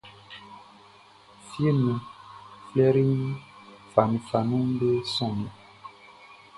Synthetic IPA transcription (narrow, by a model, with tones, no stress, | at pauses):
fje˦nĩ˨flɛ˦ɾi˦fa˨nĩ˨fa˨nũ˦ŋ˦be˦sɔ̃˦˨mi˨